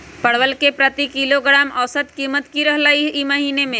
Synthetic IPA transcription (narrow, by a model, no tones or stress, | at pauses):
pɐɽʋəlkepɾɐt̪ikiloɡɾaːmɐʋsət̪kiːmət̪kiɾɐɦlaiimɐɦiːnemẽ